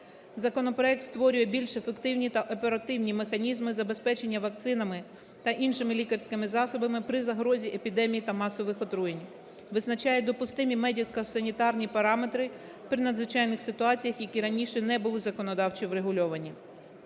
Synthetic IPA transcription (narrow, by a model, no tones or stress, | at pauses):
zɐkɔnɔpɾɔɛk̚t̪st̪ʋɔɾʲʊjɛbʲilʲʃefe̞kt̪ɪwnʲit̪ɐʔɔpe̞ɾɐt̪ɪwnʲimexɐnʲizmɪzɐbe̞spɛt͡ʃe̞nʲːɐʋɐk̚t̪sɪnɐmɪ | t̪ɐʔinʃɪmɪlʲikɐrsʲkɪmɪzɑsɔbɐmɪpɾɪzɐɦɾɔzʲiʔe̞pʲid̪ɛmʲijit̪ɐmɑsɔʋɪxɔt̪ɾujenʲ | ʋɪznɐt͡ʃɑjɛd̪ɔpʊst̪ɪmʲimɛdʲikɐsɐnʲit̪ɑrnʲipɐɾɑme̞t̪ɾɪ | pɾɪnɐd̪zʋɪt͡ʃɑjnɪxsɪt̪ʊɑt͡sʲijɐxjɐkʲiɾɐnʲiʃɛnɛbʊlˠɪzɐkɔnɔd̪ɑwt͡ʃiwɾeɦʊlʲɔʋɐnʲi